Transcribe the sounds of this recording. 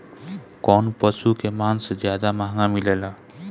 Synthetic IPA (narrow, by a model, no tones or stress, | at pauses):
kɔːnpəsukemaːnsed͡ʒjaːd̪amaɦŋamileːlaː